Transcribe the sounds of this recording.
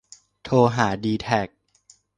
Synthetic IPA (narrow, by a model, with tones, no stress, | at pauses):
t̪ʰoː˧ɦaː˩˦diː˧t̪ʰɛ˨˩k̚